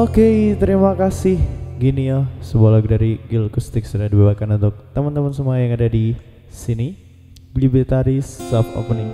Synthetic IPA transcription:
okejt̪əɾimakasɪhɡiniasəbalak̚daɾiɡilkust̪ɪksudahdibebakanunt̪ʊk̚t̪amant̪amansəmuajaŋadadi | sini | blibit̪aɾisːafa̰pəniŋ

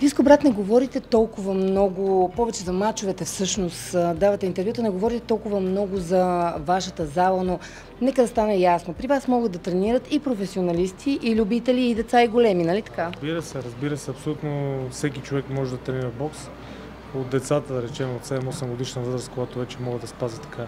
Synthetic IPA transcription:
biskobɾat̪nɛɡovɔɾit̪ɛt̪ɔlˠkʊvəmnɔɡʊpɔvɛt͡ʃɛzɐmat͡ʃovɛt̪ɛfsɤʃnost̪d̪avɐt̪ɛint̪ɛɾvjut̪ənɛɡovɔɾit̪ɛt̪ɔlˠkʊvəmnɔɡʊzɐvaʃət̪əzalˠəno | nɛkəd̪ɐst̪anɛjasnopɾivasmɔɡəd̪ɐt̪ɾɛniɾət̪ipɾofɛsionɐlist̪ʰiʔːlʲubit̪ɛliːd̪ɛt̪saiɡolɛminɐlit̪ɐ̥kabiɾəsɛɾɐzbiɾəsɛɐpsolʲut̪nofsɛkit͡ʃovɛkmɔʒɛd̪ɐt̪ɾɛniɾɐbɔks | od̪̚d̪ɛt̪sat̪əd̪ɐɾɛt͡ʃɛmot̪sɛd̪ɛmɔsɛmɡod̪iʃnəvɤzɾəskojat̪ovɛt͡ʃɛmɔɡəd̪ɐspazɛt̪ɐ̥ka

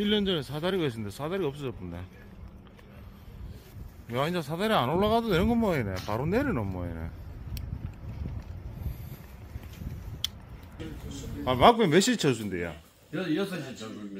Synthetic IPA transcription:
ilːʌnd͡ʑʌnesʰadaɾiɡɦes̬͈ʰɯnd̪esʰadaɾiʌp̚s͈ʌd͡ʑʌp͈ɯnd̪ḛ | jaind͡ʑasʰadaɾianoɭːaɣadonenɯnŋɡʌmʌenepaɾoneɾɯnʌmːʌ̰ḛnḛ | pamak̚pemeɕʰit͡ɕʰʌs̬ʰɯnd̪eja̰

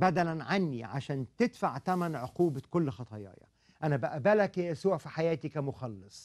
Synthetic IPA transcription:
bæd̪ælænʕanːiʕa̰ʃæːnt̪ed̪faʕt̪æmænʕoquːbakolːxɑt̪ˤɑjɑ̰ːjɑ̰ | ʔænæbæʔæbælæksowæʕfiħajæːt̪ikæmoxɑlːɨsˤ

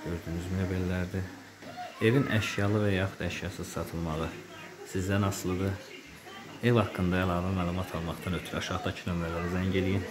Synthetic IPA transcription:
øɾd̪ynyzmijebelːæɾd̪i | e̞vinʔæʃjɑlˠɯvæjɑχud̪æʃjɑsɯzsɑt̪ʰɯlˠmɑʁɯ | sizd̪ænɑslˠɯd̪ɯ | evhɑkːɯnd̪ɑælˠɑːvæmæːlˠumɑt̪ʰɑlˠmɑχd̪ɑnøt̪ʰyɾɑʃɑʁd̪ɑcʰinømɾælæɾæzæɲɟelijin

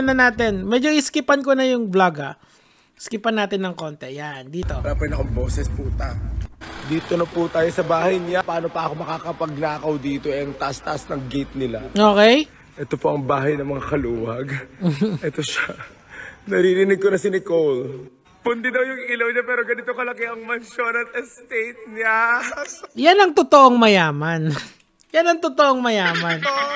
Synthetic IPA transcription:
nɐnaːt̪ɪnmɛd͡ʒoʔɪskɪpɐnkonɐjʊŋblaɡɐ | skɪpɐnːaːt̪ɪnːɐŋko̞ːnt̪ɛjand̪iːt̪o̞ɾapɛnɐkoŋbo̞ːsɛsput̪ajd̪iːt̪onɐput̪aːjosɐbaːhɐjɲɪapɐaːno̞pɐʔɐko̞mɐkaːkɐpɐɡ̚naːkɐwd̪iːt̪o̞ɛɐŋt̪ɐʔast̪ɐʔasnɐŋɡejt̪̚nɪlaʔo̞ːkɛj | ʔɛt̪opoʔɐŋbaːɦɐjnɐmɐŋakɐluːwɐɡ̩ʔɛt̪oʃa | nɐɾiːɾɪnɪɡ̚konɐsɪnɪkowl | pʊnd̪ɪd̪ɐwjʊŋɪlɐwɲɐpɛːɾoɡɐnɪt̪okɐlɐkɪʔɐŋmɐnʃonɐt̪̚ɛst̪ejt̪̚ɲa | janɐŋt̪ot̪oʔoŋmɐjaːmɐn | janɐŋt̪ot̪oʔoŋmɐjaːmɐn

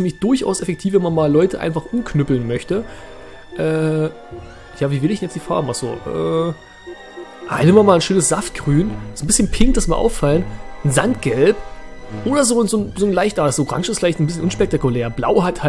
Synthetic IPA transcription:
fimɪçd̥ʊɐçʔa̰ʊsɛfɛk̚tʰiːfvɛnmanmaːlɔʏtəʔa̰ɪnfaχʔʊmkʰnʏpl̩nmœçtə | ʔɛː | jaːviːvɪlɪçd̥njɛt͡std̥iːfa̰ɐbm̩ʔaz̥o̰ːʔɛ̰ː | ʔa̰nɪmɐmaːlnʃøːnəsz̥aft̚ɡ̥ʁyːnsonbɪsçənpʰɪŋktd̥asmiːɐʔa̰ʊfalənnzantɡ̥ɛlpʔoːɾɐzoːnzoːnzoːnlaɪçtʔaːdasoʁa̰ŋʃɪsfɪlaɪçtn̩bɪsçənʔʊnʃpɛk̚tʰakuleːɐbla̰ʊɦatha

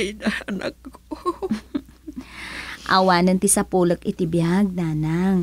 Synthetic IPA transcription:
jnɐɐnɐkːo | ʔa̰waːnɐnt̪ɪsɐpuːlok̚ʔɪt̪ɪbjaɡ̚nanaŋ

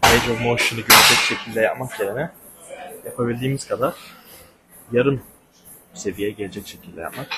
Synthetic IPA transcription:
ejd͡ʒovmoʃɯnɯɟøɾed͡ʒɛcʃe̞cʰilʲd̪ʲɛjapmakjeɾinɛ | japʰabilʲd̪iːmiz̥kʰad̪aɾ̥ | jaɾɯm | se̞vijɛɟelʲed͡ʒɛcʃe̞cʰilʲd̪ʲɛja̰pmak

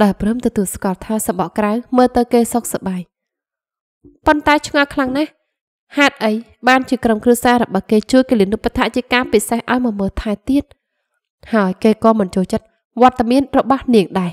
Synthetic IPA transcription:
ɗaɛprɨːmt̪ɔt̪uəlskŏəlt̪ʰaːsɑɓɑʔkrawməːlt̪ɨwkeːsok̚saɓaːj | pont̪aɛt͡ɕʰŋalkʰlaŋnah | haɛt̪̚ʔəjɓaːnt͡ɕiəkromkruəsaːɾɔɓɑhkeːt͡ɕuəjkelinupːat̪ʰaʔt͡ɕiəkaːpisehʔaɔjmɑːməːlt̪ʰaɛt̪iət̪̚ | haəjkeːkɑːmɨnt͡ɕoːlt͡ɕət̪̚ | ʋŏət̪ːamiənrɔɓɑhniəŋɗaɛ

